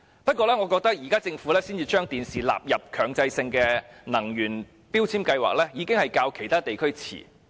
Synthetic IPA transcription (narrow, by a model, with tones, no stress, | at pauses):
pɐ˥t̚kʷɔː˧lɛː˥ŋɔː˨˧kɔː˧k̚t̪ɐ˥k̚jiː˨kaː˥t͡sɪ˧ŋfuː˨˥lɛː˥siː˥nt͡siː˧t͡ʃœː˥ŋt̪iː˨nsiː˨la̰ː˨p̚jɐ˨p̚kʰœː˨˩ŋt͡sɐ˧jsɪ˧ŋkɛ˧nɐ˨˩ŋjyː˨˩n | piː˥wt͡sʰiː˥mkɐ˧jwa̰ː˨k̚lɛː˥jiː˨˧kɪ˥ŋhɐ˨˩jkaː˧wkʰe˨˩jt̪ʰaː˥t̪e˨jkʰɵ˥ɥt͡sʰḭː˨˩